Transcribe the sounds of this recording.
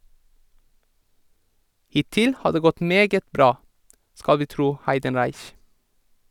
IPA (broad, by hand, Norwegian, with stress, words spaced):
ˈhɪˌtɪl ˈhɑː ˈdeː ˈɡɔt ˈmeːɡət ˈbɾɑː ˈskɑl ˈʋiː ˈtɾuː ˈhæɪdənɾæɪç